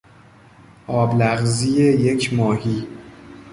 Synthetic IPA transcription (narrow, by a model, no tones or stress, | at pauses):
ʔɒːblæɣzijeje̞cʰmɒːhiː